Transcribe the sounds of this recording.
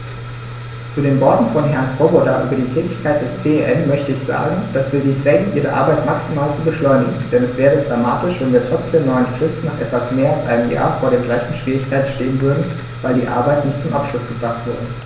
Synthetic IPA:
t͡sudeːnbɔɐtn̩fɔnɦɛɐnsʁobɔtaʔy̰ːbɐdiːtʰɛːtɪçkʰaɪt̚d̥ɛst͡seːeʔɛnmœçtəɪçz̥a̰ːɡŋ̩d̥asv̥iːɐziːfʁ̥ɛːɡŋ̩ʔiːʁəʔa̰ɐbaɪtmaksimaːlt͡subəʃlɔʏnɪɡŋ̩d̥ɛnɛsv̥ɛːʁədʁama̰ːtɪʃv̥ɛnviːɐtʁ̥ɔt͡sd̥eːɐnɔʏənfʁ̥ɪstn̩naːχʔɛtv̥asmeːɐalsʔa̰ɪnəmja̰ːɐfoːɐɾeːɐmɡlaɪçn̩ʃv̥iːʁɪçkʰaɪtn̩ʃteːənvʏɐdn̩ | vaɪldiːʔa̰ɐbaɪtnɪçtt͡sʊmʔapʃlʊsɡ̥əbʁaχtv̥ʏɐdə

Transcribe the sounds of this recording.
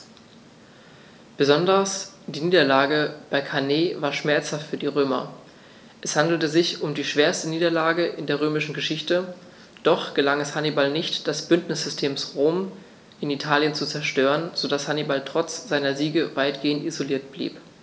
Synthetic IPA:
b̥əzɔndɐs | d̥iːniːdɐlaːɡəb̥aɪkʰaneːvaːɐʃmɛɐt͡shaftfyːɐdiːʁ̞øːmɐ̰ | ʔɛshandl̩təzɪçʊmdiːʃv̥eːɐstəniːdɐlaːɡəʔɪndeːɐʁ̞øːmɪʃn̩ɡəʃɪçtə | d̥ɔχɡ̥əlaŋɛshanibalnɪçtd̥ɛsb̥ʏntnɪsz̥ʏstʰeːmsʁoːm | ʔɪnitʰaːljənt͡sut͡sɛɐʃtøːʁənz̥odashanibaltʁ̥ɔt͡sz̥aɪnɐziːɡəvaɪtɡ̥eːəntizoliːɐtb̥lḭːp

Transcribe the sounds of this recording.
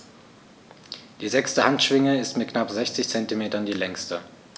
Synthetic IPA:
d̥iːzɛkstəhantʃv̥ɪŋəɪstmɪt̚knapzɛçt͡sɪçt͡sɛntimeːtɐndiːlɛŋstə

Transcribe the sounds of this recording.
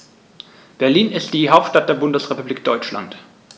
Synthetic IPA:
b̥ɛɐliːnɪstd̥iːɦaʊp̚tʃtat̚d̥eːɐbʊndəsʁ̥epubliːk̚d̥ɔʏt͡ʃla̰nt

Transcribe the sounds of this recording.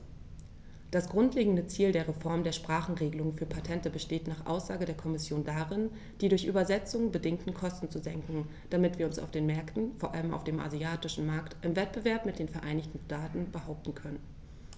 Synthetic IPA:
d̥asɡ̥ʁʊntleːɡŋ̩dət͡siːldeːɐʁefɔɐmdeːɐʃpʁ̥aːχn̩ʁeːɡəlʊŋəfyːɐpʰatʰɛntəbəʃteːtnaːχʔa̰ʊsz̥aːɡədeːɐkʰɔmɪsjoːndaʁɪn | d̥iːdʊɐçʔy̰ːbɐzɛt͡sʊŋbədɪŋktn̩kʰɔstn̩t͡suzɛŋkŋ̩ | d̥amɪtv̥iːɐʊnsa̰ʊfd̥eːnmɛɐktn̩foːɐʔa̰ləma̰ʊfd̥eːmʔa̰ziaːtɪʃn̩maɐktʔɪmvɛt̚b̥əvɛɐpmɪt̚d̥eːnfɛɐʔaɪnɪçtn̩ʃtaːtn̩bəhaʊp̚tn̩kʰœnən

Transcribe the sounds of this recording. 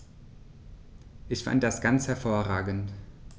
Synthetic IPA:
ʔɪçfa̰nt̚d̥asɡ̥ant͡shɛɐfoːɐʁaːɡn̩t

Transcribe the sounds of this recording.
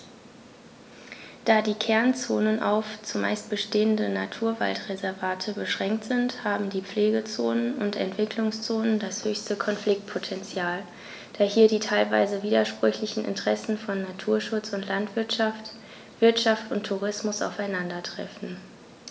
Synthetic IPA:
d̥aːdiːkʰɛɐnt͡soːnənʔa̰ʊft͡sʊma̰ɪst̚b̥əʃteːəndəna̰tʰuːɐva̰ltʁezɛɐvaːtʰəbəʃʁ̥ɛŋk̚tz̥ɪnthaːbm̩diːp͡fleːɡət͡soːnənʊntɛ̰ntv̥ɪkʰlʊŋst͡soːnəndashøːçstəkʰɔnflɪk̚t̚pʰotʰɛnt͡sjaːl | d̥aːɐhiːɐdiːtʰaɪlva̰ɪzəviːdɐʃpʁ̥ʏçlɪçn̩ʔɪ̰ntəʁ̥ɛsn̩fɔnːatʰuːɐʃʊt͡sʊntlantv̥ɪɐtʃaft | v̥ɪɐtʃaftʊntʰːuʁ̞ɪsmʊsa̰ʊfaɪnandɐtʁ̥ɛ̰fn̩

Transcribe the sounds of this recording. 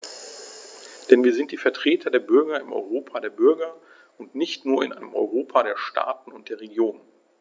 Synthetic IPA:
d̥ɛnviːɐzɪntd̥iːfɛɐtʁ̥eːtʰɐdeːɐbʏɐɡɐɪmʔɔ̰ʏʁoːpʰadeːɐbʏɐɡɐ | ʊntnɪçtnuːɐɪ̰nʔaɪnəmʔɔ̰ʏʁoːpʰaɾeːɐʃtʰa̰ːtn̩ʊnt̚d̥eːɐʁeɡjoːnən

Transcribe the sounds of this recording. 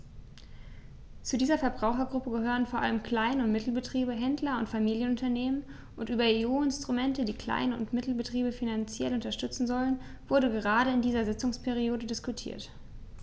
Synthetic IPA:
t͡sudiːzɐfɛɐbʁaʊxɐɡʁʊpəɡəhøːʁənfoɐʔa̰ləmkʰl̥aɪnəʊntmɪtl̩bətʁ̥iːbəɦɛndlɐʊntfamiːljənʊntɐneːmən | ʔʊntʔyːbɐeːuːɪnstʁ̥umɛntədiːkl̥a̰ɪnəʊ̰ntmɪtl̩bətʁ̥iːbəfinant͡sjɛlʊntɐʃtʏt͡sn̩zɔlən | vʊɐdəɡəʁ̞aːɾəɪndiːzɐzɪt͡sʊŋspʰɛʁ̞ioːdədɪskutʰḭːɐt

